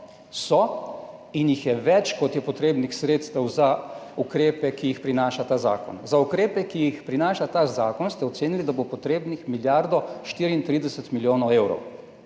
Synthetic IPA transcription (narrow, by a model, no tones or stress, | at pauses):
sɔ | injixjɛʋɛt͡ʃkɔt̪jɛpɔt̪ɾeːbnixsɾeːt̪st̪ɛwzaukɾeːpɛkijixpɾinaːʃat̪aːza̰ːkɔ̰nzaukɾeːpɛkijixpɾinaːʃat̪aːzaːkɔnst̪ɛɔt̪seːnilid̪abopɔt̪ɾeːbnixmiljaɾd̪ɔʃt̪iːɾiint̪ɾiːd̪ɛsɛt̪miljoːnɔewɾɔ̰w